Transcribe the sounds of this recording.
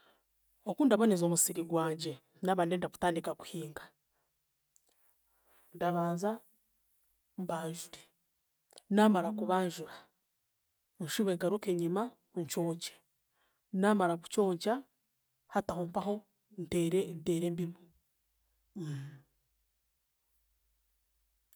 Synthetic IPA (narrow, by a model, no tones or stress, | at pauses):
okundaβonezo̞musiɾiɡwaːɲɟe̞ | naːβaːndendaku̥taːndikaku̥hiːŋɡḁ | ndaβaːnza | mbaːɲʒuɾe | naːmaɾakuβaːɲʒuɾa | ɲʃuβeɡaɾukeɲima | ɲt͡ʃoːɲce̥ | naːmaɾaku̥t͡ʃo̞ːɲca | hatahoːmpaɦo̞ | nteɾenteːɾeːmbimo